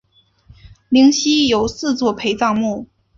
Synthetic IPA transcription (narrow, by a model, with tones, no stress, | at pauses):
li˧˥ŋɕi˥jo˨˩ʊsɹ̩˥˧t͡swɔ˥˩pʰe˧˥ɪt͡sɑ˥˧ŋmu˥˩